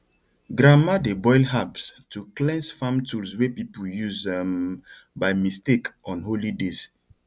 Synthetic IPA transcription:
ɡɾamadebɔjlɦabstʰuklɛ̃nsfãmtulswepipuljuzɛ̃m | bajmistekɔ̃nholides

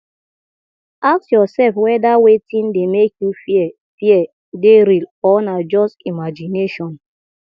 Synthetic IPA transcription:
ak̚sjɔsɛlfwɛdawetĩndemekjufiɛ | fiɛ | deɾilɔnad͡ʒɔstimad͡ʒineʃɔ̃n

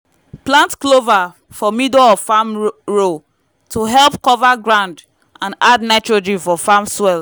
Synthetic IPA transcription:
plãntklova | fɔmidɔɔfamɹo | tʰuɦɛlpkɔvaɡɹãʊ̃nd | ãnadnaɪt͡ʃɹod͡ʒifɔfamswɛl

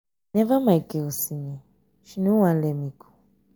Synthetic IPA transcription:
nɛvamaikɛosiɲɛ̃ | ʃinũwãn̩lɛmĩkʰo̥

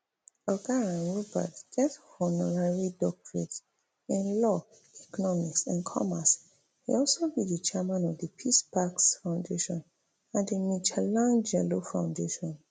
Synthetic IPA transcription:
ɔɡaɹãnɹuba̰tɡ̥ɛthɔnɔɹaɹidɔk̚tʰɹets | ĩnlɔ | ɛkɔnɔmiksãnkʰɔ̰mas | hḛɔlsobidit͡ʃɛmãnɔvdəpʰispaksfãʊ̃ndeʃɔ̃n | ãndəmit͡ʃɛlãnd͡ʒɛlofãʊ̃ndeʃɔ̃n

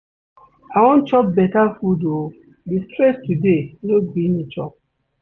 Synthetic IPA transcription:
awɔ̃nt͡ʃɔp̚bɛtafudo | distɹɛstudenobĩnit͡ʃɔp̚

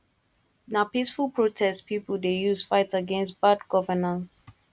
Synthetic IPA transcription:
napisfulˠpʰɹotʰɛstpipəldejuzfaɪtsəɡɛ̃nstb̥adɡɔvənãns

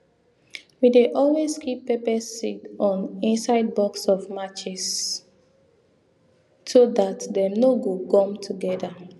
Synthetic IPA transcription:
wideʔɔlweskʰipːepɛsitɔ̃nĩnsaɪd̚bɔksɔvmat͡ʃɛs | sodatdɛnoɡokɔ̃mtʰuɡɛda

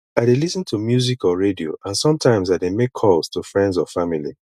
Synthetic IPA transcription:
aɪdelisə̃ntʰumjuzikɔɹedio̰ʔãnsɔ̃mtʰãɪ̃mzaɪdemekʰɔlz̥tʰufɹɛ̃ndzɔfamilḭ

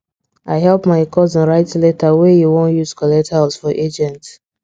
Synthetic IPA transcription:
aɪɦɛlpmaɪkʰɔzə̃nɹaɪtletawejuwɔ̃njuzkɔlɛk̚thaʊsfɔʔed͡ʒɛ̃nt

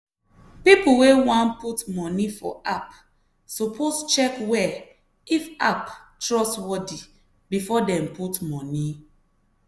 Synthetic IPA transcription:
pipuwewãnputmɔ̃nifɔ̰ap | sɔpʰost͡ʃɛkwɛ | ifaptɹɔswɔdi | bifɔdɛ̃mputmɔ̃ni

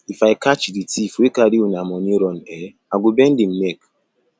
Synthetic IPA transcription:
ifaikat͡ʃiditifekadiunamɔɲiɾɔn̩tɛ | aɡʊbɛn̩dim̩mek

